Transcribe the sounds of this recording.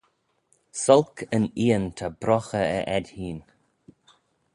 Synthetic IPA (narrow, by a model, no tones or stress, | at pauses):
sɔlkʰəniːənt̪ʰabɾɔxəə̰ʔɛdʲhiːn